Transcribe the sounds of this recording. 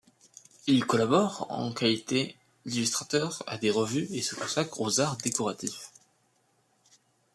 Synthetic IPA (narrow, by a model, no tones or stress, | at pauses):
ilkɔlabɔʁɑ̰̃kalit̪ʰe | ilyst̪χat̪œʁa̰d̪eʁəvyesəkɔ̃sakχozaʁd̪ekɔʁat̪if